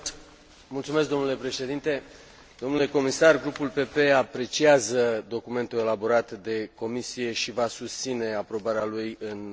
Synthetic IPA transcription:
mult̪sumesk̚d̪o̞mnule̞pɾe̞ʃe̞d̪int̪e̞ | d̪̥o̞mnule̞ko̞misarɡɾupulpe̞pe̞apɾe̞t͡ʃiazəd̪o̞kume̞nt̪ue̞labo̞ɾat̪d̪e̞ko̞misije̞ʃivasust̪sine̞apɾo̞baɾealujɨn

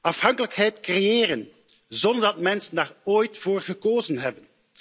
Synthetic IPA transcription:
ɑfhɑŋkələkhɛjtkrejeːrən | zɔnd̪əɹdɑtmɛnsəndaːroːjtfoːrɣəkoːzənɦɛbən

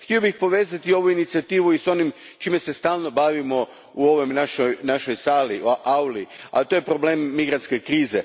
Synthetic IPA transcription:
xt̪iobixpo̞ʋeːzat̪io̞ʋuinit̪siat̪iːʋuiso̞nim | t͡ʃiːmese̞st̪aːlˠno̞baʋimo̞ | uo̞ʋo̞jmnaʃojnaʃo̞jsaːliʔawlia̰t̪oje̞pɾo̞ble̞ːmːiɡɾant̪ske̞kɾiːze

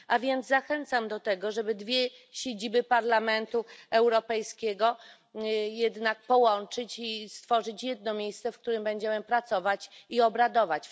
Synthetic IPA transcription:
avʲjɛnd̪zaxɛnt̪samd̪ɔt̪ɛɡɔʐɛbɘd̪vʲjɛɕed͡ʑibɘpaɾlamɛnt̪uɛwɾɔpɛjskʲɛɡɔ | jɛd̪nak̚pɔwɔnt͡ʂɘt͡ɕist̪fɔʐɘt͡ɕjɛd̪̚nɔmʲjejst̪sɛfk̚t̪uɾɘmbɛɲd͡ʑɛmɛmpɾat̪sɔvat͡ɕiɔbɾad̪ɔvat͡ɕ

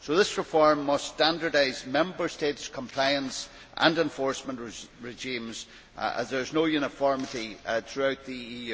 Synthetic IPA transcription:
soðɪsɹɪfɔɹmːʌstãndə˞daɪzmɛ̃mbə˞stetskʰə̃mpʰl̥aɪə̃ns | ʔə̰̃nɛ̃ɱfɔɹsmə̃nʔɹɹɪʒĩmz̥ | ə̰̃zðə˞ɪznojʉñəfɔɹmətiθɹʉaʊt̪̚ðiijʉ

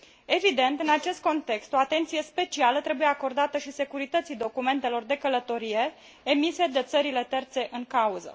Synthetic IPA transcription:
e̞vid̪e̞nt̪ɨnat͡ʃe̞st̪̚ko̞nt̪e̞kst̪o̞at̪e̞nt̪sije̞spe̞t͡ʃialət̪ɾe̞buje̞ako̞rd̪at̪əʃise̞kuɾit̪ət̪sid̪o̞kume̞nt̪e̞lo̞rd̪e̞kələt̪o̞ɾije̞ː | mise̞d̪e̞t̪səɾile̞t̪e̞rt̪se̞ʔɨŋkauzə̰

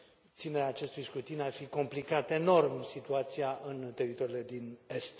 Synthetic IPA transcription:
t̪sineɾeaːt͡ʃe̞st̪ujskɾut̪inarfiko̞mplikat̪e̞no̞rmsit̪uat̪siaʔɨnt̪e̞ɾit̪o̞ɾile̞d̪ine̞st̪

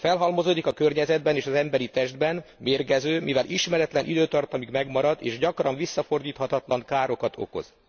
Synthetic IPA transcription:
fɛlɦɒlmo̞zoːd̪ikɒkørɲɛzɛd̪̚bɛneːʃɒzɛmbɛɾit̪ɛʒd̪bɛnmeːrɡɛzøːmivɛlʔiʃmɛɾɛt̪lɛnʔid̪øːt̪ɒrt̪ɒmikmɛɡmɒɾɒd̪eːʒɟɒkrɒɱvisːɒfo̞rd̪iːt̪hɒt̪ɒt̪lɒŋkaːɾo̞kɒt̪ʰo̞̰ko̞̰z̥

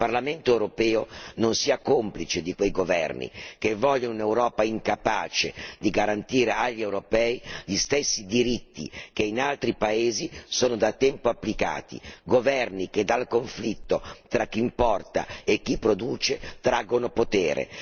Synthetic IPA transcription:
parlament̪oewɾopɛːononsiːakomplit͡ʃed̪ikwejɡovɛ̰rnḭkevːɔʎːonunewɾɔːpaiŋkapaːt͡ʃed̪iɡaɾant̪iːɾeaʎːiewɾopɛːiʎist̪esːid̪iɾit̪ːḭk̟einalt̪ɾipaeːzisoːnod̪at̪ːɛmpoapːlika̰ːt̪ḭɡovɛrniked̪alkoɱflit̪ːot̪ɾak̟ːimpɔrt̪a̰ek̟ːipːɾod̪uːt͡ʃet̪ɾaɡːonopot̪eːɾʔḛ

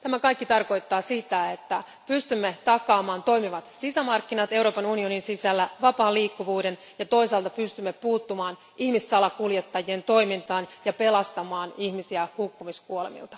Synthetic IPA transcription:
t̪æmækɑjkːit̪ɑrko̞jt̪ːɑːsit̪æet̪ːæ | pyst̪ymːet̪ɑkɑːmɑːnt̪o̞ijmiʋɑt̪sisæmɑrkːinɑt̪e̞wɾo̞ːpɑnunio̞ninsisælːæʋɑpɑːliːkːuʋuːde̞n | jɑt̪o̞isɑːlt̪ɑpyst̪ymːepuːt̪ːumɑːn | ihmisːɑlɑkuljet̪ːɑjient̪o̞jmint̪ɑːnjɑpe̞lɑst̪ɑmɑːnihmisiæhukːumiskuolemḭlt̪ɑ̥

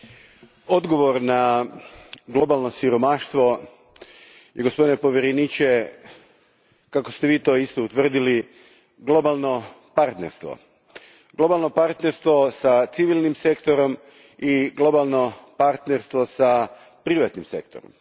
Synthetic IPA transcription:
o̞d̪ɡo̞ʋo̞ɾna | ɡlo̞balˠno̞siɾo̞maʃt̪ʋo̞ | jeɡo̞spod̪inepo̞ʋjeɾenit͡ʃe | kakost̪eʋiːt̪o̞ist̪o̞ut̪ʋr̩d̪ili | ɡlˠo̞balˠno̞ | paɾt̪neɾst̪ʋo̞̰ | ɡlˠo̞balˠno̞paɾt̪neɾst̪ʋo̞sat̪siʋilˠnimse̞kt̪o̞ɾo̞m | iɡlˠo̞balˠno̞paɾt̪neɾst̪ʋo̞sa | pɾiʋat̪nimse̞kt̪oɾo̰m

